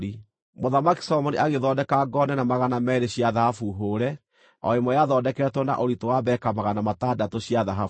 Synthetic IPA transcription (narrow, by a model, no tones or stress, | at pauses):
i | moðamaki̥sɔmɔniʔaɣeðɔdɛkaɡɔnɛnamaɣanamɛːɾeɕiaðahafuɦoːɾɛ | ɔ̰emɔjaðɔdɛkɛɾɛtwɔnda̰ʔoɾitowaβɛkamaɣanamatadatoɕiaðaɦaf